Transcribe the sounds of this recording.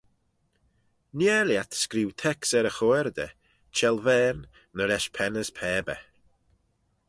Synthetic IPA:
nɛːljat̪skɾiwt̪ʰɛksɛɾəxɔɛɾd̪ə̰ | t͡ʃʰɛlˠvɛːɾn | nəɾɛʃpʰɛnəspʰɛːbə̰

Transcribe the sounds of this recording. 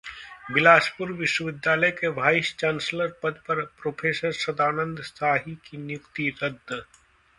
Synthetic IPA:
bɪlaːʃpʊɾʋɪʃwəʋɪd̪jaːləjkeʋʱaːɪʃt͡ʃãːnsləɾpɐd̪pɐɾpɾoːpʰeːsəɾsɐd̪aːnə̃nd̪ʱst̪ʰaːɦikinjʊkt̪iɾɐd̪

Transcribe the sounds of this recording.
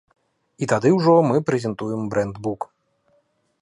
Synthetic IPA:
it̪ad̪ɨwʐɔmɨpɾɛzʲɛnt̪ujɛmbɾɛnd̪buk

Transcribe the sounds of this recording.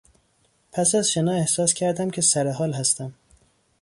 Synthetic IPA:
pʰæsæzʃenɒːe̞hsɒːscʲʰæɾd̪æmcʰe̞sæɾeɦɒːlɦæst̪æm

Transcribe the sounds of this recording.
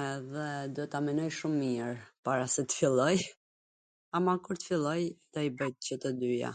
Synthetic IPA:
ɛðɛd̪uɛt̪amɛnɔjʃumːiɾpaɾasɛt̪ə̥filˠɔj | amakuɾt̪ə̥filˠɔjt̪aibəjt̪̚t͡ɕət̪əd̪yja̰

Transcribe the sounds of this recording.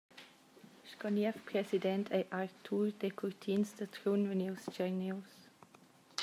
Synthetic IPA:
ʃkɔniɛfpɾɛsidɛnt̪ʰɛʔart̪ʰurd̪ekʰurt̪ʰinsd̪ət̪ɾunvəniwst͡ʃəniws

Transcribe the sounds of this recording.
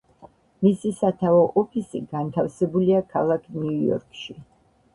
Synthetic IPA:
misisat̪ʰavɔʔɔpʰisḭɡant̪ʰafsɛbuliakʰalˠakʰniujɔ̰ɾkʃi

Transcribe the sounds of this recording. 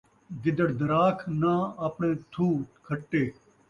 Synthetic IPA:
ɡɪd̪əɽd̪əɾaːkʰnãːɐpɳẽːt̪ʰuːkʰəʈːeː

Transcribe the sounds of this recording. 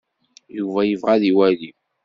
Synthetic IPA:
juvæjəvʁæðiwæli

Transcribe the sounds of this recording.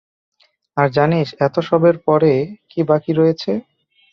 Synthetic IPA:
aɾd͡ʑaniʃɛt̪oʃɔbeɾpɔɾekibakiɾɔjet͡ɕʰe

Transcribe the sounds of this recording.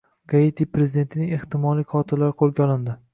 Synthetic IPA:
ɡ̥aet̪ʰipɾe̞zɪd̪ent̪ʰɪnɪŋʲe̞ht̪ɪmɒlˠijqʰɒt̪ʰɪlːaɾɪqʰolˠɡʲaɒlˠɪnd̪ɪ

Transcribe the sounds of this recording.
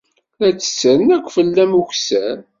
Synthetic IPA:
æt͡sːə̥səɾənækʷːfəlːæmuçsæɾ

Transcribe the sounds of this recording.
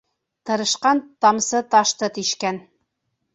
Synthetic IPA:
t̪ɤ̆ɾɤ̆ʃqɑnt̪ɑmsɤt̪ɑʃt̪ɤt̪iʃkæn

